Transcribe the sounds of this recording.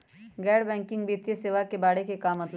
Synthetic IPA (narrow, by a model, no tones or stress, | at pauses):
ɡɛːɽbɛ̃ːŋkɪ̃ŋɡbiːt̪jəseːʋakebaːɽekekaːmːɐt̪l